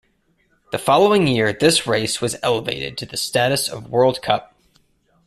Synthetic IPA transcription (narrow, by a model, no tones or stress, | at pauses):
ðɨfɑlˠoʊɪ̃ŋjɪɹðɪsɹeɪswʌzɛlˠəvḛɪɾɨ̰d̚tʰɨðɨstæɾɨsʌ̰vwɜ˞lˠd̚kʰʌp̚